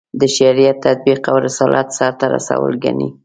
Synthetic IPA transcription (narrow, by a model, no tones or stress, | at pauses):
d̪əʃaɾijat̪ːad̪̚biqawɾɪsɑlʔɑt̪sɑɾt̪aɾa̰sa̰wə̰lɡani